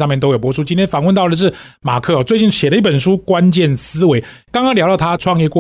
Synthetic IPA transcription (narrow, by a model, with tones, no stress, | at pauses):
ɑ˥˧mjɛ˥˩nt̪o˥ʊjo˨˩ʊpwɔ˧˥ʂʰu˥t͡ɕi˥nt̪ʰjɛ˥nfɑ˨˩ŋwə˥˧t̪ɑ˥˩ʊd̪ə˩ʂ̬ɻ̩˥˩ma˨˩kʰɤ˥˧ɔ˨˩t͡swe˥˧ɪt͡ɕi˥˩ŋɕjɛ˨˩də˦i˥˩pə˨˩nʂu˦˥kwa˦nt͡ɕjɛ˥˩nsɹ̩˥we˧˦ɪkɑ˥ŋkɑ˥ŋljʊt̪ɑ˥˧˩t̪ʰa˥ʈ͡ʂʰwɑ˥˧ŋjɛ˥˧kwɔ˥˧